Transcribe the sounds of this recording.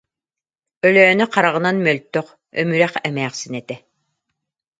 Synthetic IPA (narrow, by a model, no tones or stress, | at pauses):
œlœːnyqaɾaʁɯ̆nanmœlt̪ːœq | œ̰myɾæχɛmæːχsinɛt̪ɛ